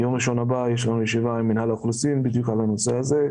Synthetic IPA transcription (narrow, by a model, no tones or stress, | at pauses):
jo̞mʁiʃo̞nabajeʃlanujeʃivaimːinhalaklusimbid̪jukʕalano̞seaze